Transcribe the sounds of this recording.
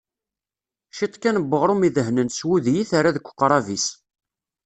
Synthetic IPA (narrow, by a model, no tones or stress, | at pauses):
ʃit̪ˤkːænəbːəʁɾˤomiðəɦnənswuðjiθaɾaðəkʷːə̥qːɾˤɑvis